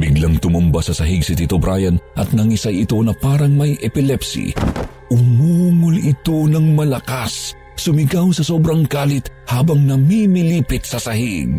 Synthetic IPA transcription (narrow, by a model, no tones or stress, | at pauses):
biɡlɐŋt̪ʊmʊmbasɐsɐɦiɡsɪt̪it̪obɾʔaːjɐnʔɐ̰t̪̚nɐŋisajɪt̪o̞nɐpaːɾɐŋmɐjʔɛpɪlɛpsḭ | ʔʊmuːŋʊlɪt̪o̞nɐŋmɐlɐkas | sːʊmɪɡawsɐso̞bɾɐŋkaːlɪt̪̚haːbɐŋnɐmimiliːpɪt̪sɐsɐhiɡ̚